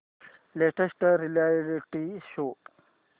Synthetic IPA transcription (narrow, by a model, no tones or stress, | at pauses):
leʈəsʈɾilajɾiʈiʃoː